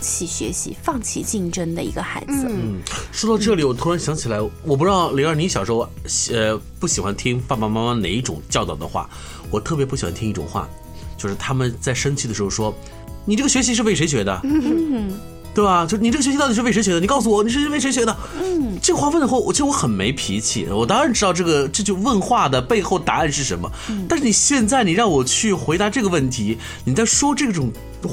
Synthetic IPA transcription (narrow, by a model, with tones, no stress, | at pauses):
t͡ɕʰi˨˩ɕɥɛ̰˧˥ɕḭ˧˥fɑ˥˩ŋt͡ɕʰḭ˥˩t͡ɕi˥˩ŋʈ͡ʂə˥ŋd̪ə˨ḭ˧˥ɡə˧xa̰˧˥ɪd͡zɹ̩˧˥˩ʂwɔ˥t̪ɑ˥˧ʊʈ͡ʂɤ˥˩li˨˥wɔ˨˩t̪ʰu˥ɻa˧˥nɕjɑ˧˥ŋt͡ɕʰi˨la˧˥ɪwɔ˨˩p̬u˧˥ʈ͡ʂ̩̪˥˩li˧˥a˥˩ni˧˥ɕjɑ˨˩ʊʂɻ̩˧˥xɕə˧pu˥˩ɕi˨˩xwa˧˦nt̪ʰi˥ŋpa˥˩ma˨˧ma˥ma˥nḛ˨˩ɪi˥˩ʈ͡ʂʊ̰˨˩ŋt͡ɕjɑ˥˧ʊt̪ɑ˥˩ʊd̪ə̰˩xwa̰˥˩ | wɔ˨˩t̪ʰɤ˥˩p̬jɛ˧˥pu˥˩ɕi˨˩xwa̰˧˥nt̪ʰi˥ŋi˥˩ʈ͡ʂʊ̰˨˩ŋxwa̰˥˩ | t͡ɕjo˥˧ʊʂɻ̩˥˩t̪ʰa˥mə˨nt͡sa˥˩ɪʂə˥nt͡ɕʰi˥d̪ə˩ʂɻxo˥˧ʊʂwɔ˥ | ni˨˩ʈ͡ʂɤ˥˩ɡə˩ɕɥɛ˧˥ɕ̬i˧˥ʂɻ̩˥˧fe˥˩ɪʂe˧˥ɪɕ̬ɥɛ˨˧˥d̪ə̰˧ | t̪we˥˩ɪbɐ˩t͡ɕjo˥˧ʊʂ̩˥˩i˨˩ʈ͡ʂɕɛ˧˥ɕtɑ˥˩i˩ɻ̩˥e˥˩e˧˥ɕɛ˧˥d̪ə˨i˩kɑ˥˩ʊs̬u˩wɔ˨˩ni˨˩ʂɻ̩˥˧˥e˥˩ɪʂe˧˥ɪɕɥɛ˧˥d̪ə˧˩ | ʈ͡ʂɤ˥˩ɡə˩xwa˥˧wə˥˩nd̪ə˩xo˥˩wɔ˨˩t͡ɕ̩ʰ˧˥wɔ˧˦xə˨˩nme˧˥ɪpʰḭ˧˥t͡ɕʰḭ˨˩wɔ˨˩t̪ɑ˥ŋɻa˧˥nʈ͡ʂɻ̩˥t̪ɑ˥˧ʊʈ͡ʂɤ˥˩ɡə˩ʈ͡ʂɤ˥˧t͡ɕu˥˧wə˥˧nxwa˥˩d̪ə˩pe˥˧ɪxo˥˩ʊt̪a˧˥a˥˧nʂɻ̩˥˩ʂə˧˥nmə̰˧t̪a˥˧ʂɻ̩˥˩i˨˩ɕjɛ˥˧nt͡sa˥˩ɪni˨˩ɻɑ˥˩ŋwɔ˨˩t͡ɕʰy˥˩xwe˧˥ɪd̪a˧˥ʈ͡ʂɤ˥˩ɡə˩wə˥˩nt̪ʰi˧˥ | ni˨˩t͡sa˥˩ɪʂwɔ˥ʈ͡ʂɤ˥˩ɡʈ͡ʂʊ˨˩ŋ